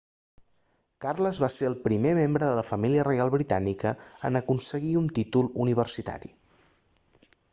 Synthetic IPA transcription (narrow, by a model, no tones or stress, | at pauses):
karləzβaseɾəlˠpɾimemembɾəðələfəmiliərəjalˠβɾit̪anikəə̰nəkunsəɣiunt̪it̪ulˠuniβ̞ərsit̪a̰ɾḭ